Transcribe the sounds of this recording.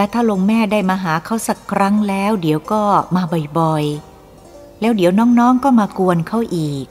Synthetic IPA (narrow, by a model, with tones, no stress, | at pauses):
lɛː˦˥wt̪ʰaː˥˩lo˧ŋmɛː˥˩daː˥˩jmaː˧ɦaː˩˦kʰa˦˥˩wsa˨˩kʰɾa˦˥ŋlɛː˦˥wdi˨˩˦əwkɔː˥˩maː˧bɔ˨˩jbɔ˨˧j | lɛː˦˥wdi˩˦wnɔː˦˥ŋnɔː˦˥ŋkɔː˥˩maː˧ku˧ənkʰa˦˥˩wʔiː˨˩k̚